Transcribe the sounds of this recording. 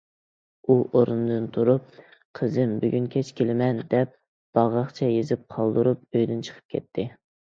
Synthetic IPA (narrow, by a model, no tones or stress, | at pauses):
uʔoɾund̪ɨnt̪ʰuɾup̚qʰəzɪmbyɡʲynkʲʰɛt͡ʃkʲʰelɪmɛnd̪ɛp̚ | b̥ɑʁɑχt͡ʃʰɛjezɪp̚qʰɑlˠd̪ɨɾup̚øjd̪ynt͡ʃʰə̥qʰə̥p̚kʲʰɛ̰t̪ʰːɪ